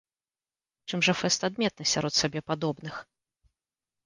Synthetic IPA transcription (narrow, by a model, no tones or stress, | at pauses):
t͡ʂɨmʐɐfɛst̪ad̪mʲɛt̪̚nɨsʲaɾɔt̪sʲabʲɛpad̪ɔbnɨx